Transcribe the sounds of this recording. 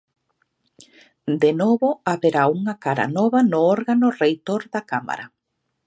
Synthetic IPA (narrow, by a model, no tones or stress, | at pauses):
d̪enɔβoaβeɾauŋakaɾa̰nɔβanoɔɾɣanorejt̪oɾðakama̰ɾa̰